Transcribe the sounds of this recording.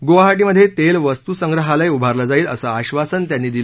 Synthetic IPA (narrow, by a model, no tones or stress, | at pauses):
ɡoʋaɦaʈ̬iːməd̪ʱːjet̪elʋəst̪usəŋɡɾəɦaləjubʱaɾlad͡zaiːlə̰saaɕʋasənt̪janːiːd̪il